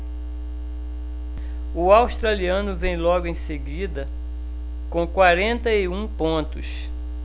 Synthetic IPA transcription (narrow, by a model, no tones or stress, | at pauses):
ʊawʃt̪ɾaliɐ̃nʊvẽj̃lɔɡʊẽj̃seɡid̪ɐ | kõkwaɾẽnt̪ɐiũpõnt̪ʊ̰s